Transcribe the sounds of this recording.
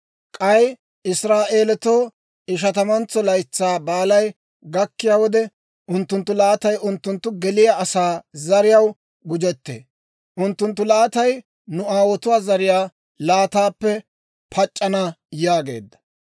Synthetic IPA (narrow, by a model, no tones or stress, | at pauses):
kʼɐj | ɪsɾaːʔe̞ːlɛt̪oː | ɪʃ̬ɐt̪ɐmɐnt͡sːɔlɐjt͡sːaːbaːlɐj | ɡɐkːɪjaːwɔd̪ɛ | ʔʊnt̪ːʊnt̪ːʊlaːt̪ɐjʔʊnt̪ːʊnt̪ːʊɡɛlɪjaʔːsaːzɐɾɪjɐw | ɡʊd͡ʒɛt̪ːḛː | ʔʊnt̪ːʊnt̪ːʊlaːt̪ɐj | nʊaːwɔt̪ʊwaːzɐɾɪjaː | laːt̪aːpːɛ | pʰɐt͡ʃʼːɐnɐjaːɡe̞̰ːd̪ːɐ̥